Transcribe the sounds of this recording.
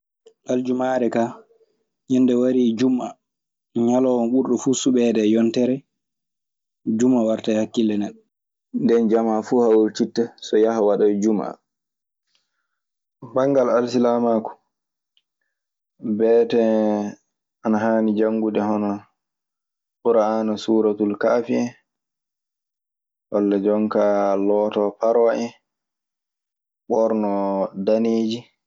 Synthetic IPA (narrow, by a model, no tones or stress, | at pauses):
ʔald͡ʒumaːɾɛka | ɲɛnːdɛwaɾid͡ʒuma | ɲalɔwɔnɓuɾɗufusuɓɛdɛjɔntɛɾɛ | d͡ʒumːawaɾtajhakːilːɛnɛɗɔ | ndɛnd͡ʒamafuːhawuɾt͡ʃitːɛsɔjahawaɗad͡ʒuma̰ | baŋɡalalsilamakɔ̥ | bɛːtɛ | anaɦaːnid͡ʒaŋɡuɗɛhɔnɔ | ɓuɾaanasuːɾatulkaːfiɛ | walːad͡ʒɔŋkalɔːtɔpaɾaʔɛ | ɓɔɾnɔdaneːd͡ʒi